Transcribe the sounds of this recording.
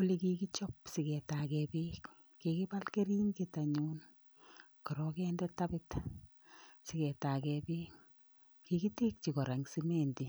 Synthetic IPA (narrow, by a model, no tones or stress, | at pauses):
olikikit͡ʃɔpsɪkɛtakɛpikː | ekipalkeɾiːŋketaɲuːn | kɔɾɔkɛndɛtapɪt | sɪkɛtakɛpik | kikitik̚t͡ʃikɔɾaŋsimenti